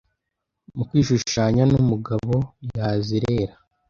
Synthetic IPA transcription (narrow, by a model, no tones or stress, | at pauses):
mukwiːʃuʃaːɲanumuɡaβo̞jaːziɾe̞ːɾa